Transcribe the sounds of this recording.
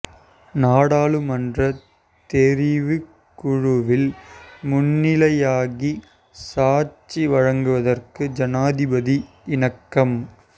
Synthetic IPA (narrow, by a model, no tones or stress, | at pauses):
naːɽaːɭɯmɐndrɐ | t̪ɛɾɪʋɯ | kkːʊɻʊʋɪlmʊnːɪlɐjaːɣi | saːɾt͡ʃːiʋɐɻɐŋɡɯʋɐðɐrkɯd͡ʒɐnaːðɪbɐði | ɪnɐkːɐm